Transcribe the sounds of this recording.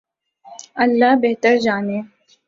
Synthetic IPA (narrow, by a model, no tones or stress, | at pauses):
ɐlːaːbeɦt̪əɾd͡ʒaːneː